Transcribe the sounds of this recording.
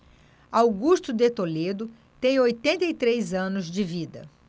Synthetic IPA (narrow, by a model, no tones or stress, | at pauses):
awɡuʃt̪ʊd̪et̪oled̪ʊ | t̪ẽj̃ojt̪ẽnt̪ɐit̪ɾejzɐ̃nʊzd͡ʒɪvid̪ɐ̰